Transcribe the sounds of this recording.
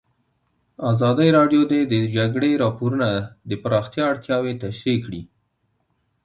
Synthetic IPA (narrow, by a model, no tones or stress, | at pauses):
azɑd̪əjɾɑɖjod̪ed̪əd͡ʒaɡɽeɾɑpoɾunad̪əpaɾɑxt̪jɑːɽt̪jɑwet̪aʃɾekɽi